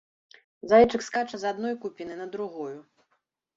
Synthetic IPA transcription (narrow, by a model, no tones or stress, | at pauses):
zajɛt͡ʂɨkskat͡ʂɐzad̪nɔjkupʲinɨnɐd̪ɾuɣɔju